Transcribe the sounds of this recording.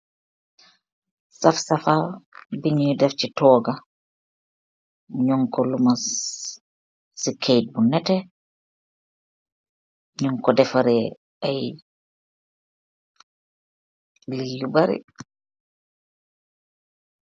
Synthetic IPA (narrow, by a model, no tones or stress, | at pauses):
safsafabiɲudɛft͡ʃitɔːɡa | ɲɔŋkɔluma | sikʰejt̚bunːɛtɛ | ɲɔŋkɔdɛfaɾɛ | aj | lijubaɾḭ